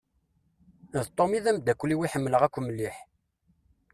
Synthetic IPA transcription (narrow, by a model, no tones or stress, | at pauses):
ðt̪ˤːomiðæmd̪ækʷːliwiħəmːləʁækʷːməlːiħ